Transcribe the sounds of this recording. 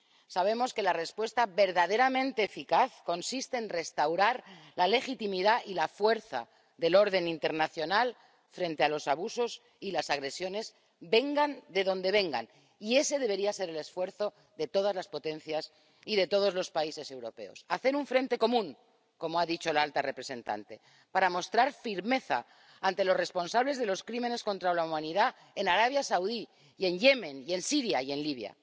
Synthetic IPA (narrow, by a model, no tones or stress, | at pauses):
saβe̞mo̞ske̞lare̞spwe̞st̪aβe̞ɾðaðe̞ɾamẽnt̪e̞ːfikaθko̞nsist̪e̞ːnre̞st̪awɾaɾlalexit̪imiðaʔilafwe̞ɾθa̰ | ðe̞lo̞ɾð̞e̞nint̪e̞ɾnaθjo̞nal | fɾe̞nt̪e̞alo̞saβuso̞s | ilasaɣɾe̞sjo̞ne̞z | be̞ŋɡand̪e̞ðõ̞nd̪e̞β̞e̞ŋɡa̰n | ie̞se̞ðe̞β̞e̞ɾiase̞ɾe̞le̞sfwe̞ɾθo̞ | ðe̞t̪o̞ð̞azlaspo̞t̪ẽ̞n̟θjas | iðe̞t̪o̞ð̞o̞zlo̞spaise̞se̞wɾo̞pe̞̰o̞̰saθe̞ɾuɱfɾe̞nt̪e̞ko̞mũŋ | ko̞moaðit͡ʃo̞lalt̪are̞pɾe̞sẽ̞nt̪a̰nt̪e̞ | paɾamo̞st̪ɾaɾfiɾme̞θa̰ː | nt̪e̞lo̞sre̞spo̞nsaβle̞zðe̞lo̞skɾimẽ̞ne̞sko̞nt̪ɾalaumãniða | e̞naɾaβ̞jasawði | ie̞nje̞mẽ̞nie̞nsiɾjaie̞nliβ̞ja̰